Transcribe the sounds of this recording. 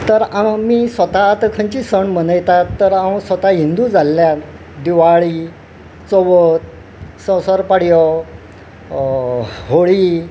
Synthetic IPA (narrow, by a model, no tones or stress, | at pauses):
t̪əɾamiːsʋət̪aːt̪əkʰəɲt͡ɕisəɳm̤ənəjt̪at̪ːəɾawsət̪aɦind̪ud͡zalːja | d̪iʋaɭi | t͡soʋət̪̚ | sə̃səɾpaɽjɔ | ɦoɭi